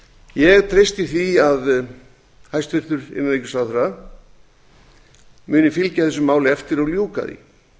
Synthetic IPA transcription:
jɛɣt̪ʰɾejst̪ɪθiað | hajst̪fɪr̥t̪ʏɾɪ̰nːanejcʏ̥slaθɾa | mʏːnɪfɪlcaθɛsʏmːaːwlɪɛft̪ɪɾɔɣljuːka̰ðḭ

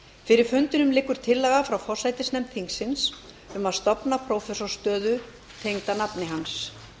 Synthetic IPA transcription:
fɪɾɪɾ̥fʏnt̪ɪnʏmlɪkːʏɾ̥t̪ʰɪlːɛɣafɾawfɔr̥sajt̪ɪsnɛmt̪ʰiŋksːɪns | ʏmaðst̪ɔpnapʰɾowfɛsɔ̥st̪œːðʏ | t̪ʰejŋt̪anapnɪɦans

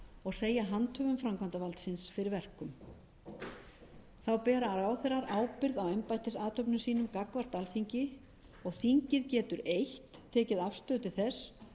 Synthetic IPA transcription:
ɔɣseːjaɦant̪ʰœːvʏmfɾamkʰant̪avalt̪sɪnsfɪɾɪɾvɛr̥kʏm | θawpɛːɾaːɾaːwθɛɾaɾaːwpɪɾðawɛmpajt̪ɪsaːt̪ʰœpnʏsiːnʏmkakvar̥t̪alθiɲcɪ | ɔɣθiɲcɪðcɛːt̪ʏɾejht̪ʰːɛːcɪðafst̪œːt̪ɪ̥θɛs

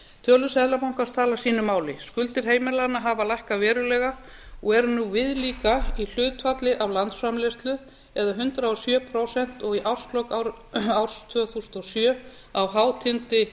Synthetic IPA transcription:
t̪ʰœːlʏsɛðlapawŋ̥kḁst̪ʰaːlasiːnʏmːaːwlɪskʏlt̪ɪɾ̥ɦeːjmɛlanaɦavalajhkavɛːɾʏlɛɣa | ɔɣɛɾnuvɪðliːkail̥ʏːt̪fat̪lɪʔavlant̪sfɾamlɛst̪lʏ | ɛðaɦʏnt̪ɾaɔsjœːpʰɾowsɛn̥t̪ɔɣiʔawɾ̥st̪lɔkawɾ | awɾ̥st̪ʰvœːθusnt̪ɔsjœː | awɦaːwt̪ʰɪnt̪ɪ

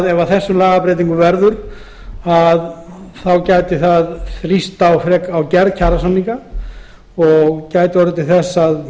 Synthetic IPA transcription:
ðɛvaθɛsːʏmlaːɣapɾɛjt̪̬iŋkʏvɛɾðʏɾ | aðθawcaːjt̪ɪθaðθɾist̪awfɾɛːkawcɛɾðcʰaːɾasanːiŋka | ɔɣcaːjt̪ɪɔɾat̪ʰɪlθɛsːað

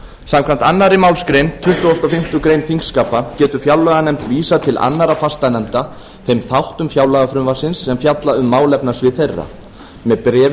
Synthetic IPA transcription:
samkʰvam̥t̪anːaɾɪmaːwlskɾejnt̪ʰʏht̪ʏɔst̪ɔfɪm̥t̪ʏkɾejnfiŋkskaːpacɛːt̪ʏfjawlaɣanɛmt̪viːsat̪ʰɪlʔa̰nːaɾafast̪anɛm̥t̪a | θejmθawht̪ʏmfjawlaɣafɾʏmvasɪnsːɛmfjat̪laʏmːaːwlɛpnasvɪθejrːa̰ | mɛðpɾɛː

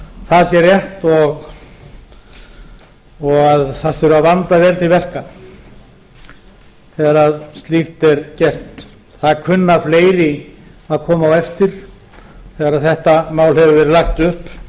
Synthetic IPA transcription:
θaðsjɛɾjɛht̪ɔɣ | ɔɣaðθasɛɾʏaðvant̪avjɛɾt̪nivɛr̥ka | θɛɣaɾaðst̪lift̪ɛɾcɛr̥t̪ | θakʰʏnːafleːjɾɪaðkʰɔːmaawɛft̪ɪɾ̥ | θɛːɣaɾaðθɛht̪amaːwlhɛvʏvɛːɾɪlaxt̪ʏhp

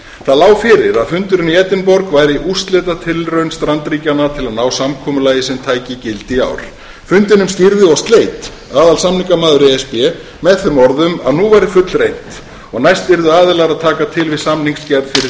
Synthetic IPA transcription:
θaðlaːwfɪɾɪɾaðfʏnt̪ʏɾʏniɛːt̪ɪnpɔɾkvaːjɾɪʔust̪lɛːt̪at̪ʰɪlrœɥnst̪ɾant̪ɾiːcanat̪ʰɪlaðnaːwsamkʰɔːmʏlaːjɪsɛmt̪ʰaːjcɪcɪlt̪ia̰ːwɾ̥ | fʏnt̪ɪnʏmsc̪iɾðɪɔst̪leːjt̪ | aːðalsamniŋkamaːðʏɾeɛspɛ | mɛðθʏmɔɾðʏma̰ðnuvajɾɪfʏt̪lrejnt̪ | ɔɣnajst̪vɪɾðʏaːðɪlaɣɾaðt̪ʰaːkat̪ʰɪlvɪðsamniŋkscɛɾðfɪɾɪ

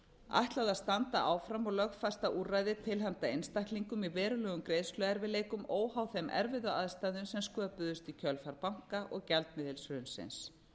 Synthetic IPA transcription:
a̰jht̪lawðaðst̪ant̪aʔaːwfɾamːaɣlœɣfast̪aʔuːrajðɪt̪ʰɪlɦant̪aejnst̪ajht̪liŋkʏmivɛːɾʏlɛːɣʏmkɾeːjðslœðɛɾvɪleːjkʏmoːwhaːwθɛmʔɛ̰ɾvɪðʏa̰ðst̪aðʏnsɛmskœːpʏðʏst̪icʰœlfaɾpawŋ̥kaʔɔɣcɛlt̪̚mɪðɪlsvʏʏnsɪ̰ns

